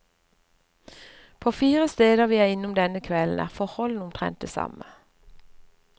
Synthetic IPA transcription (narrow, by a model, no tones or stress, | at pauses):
pʰoːfiːʁəst̪eːd̪əʁʋiːæːɪnʊmd̪ɛnəkʰʋɛln̩ʔæ̰ːʁfɔʁhɔln̩ʊmt̪ʰʁɛ̰nt̪̚eːsɑ̰mə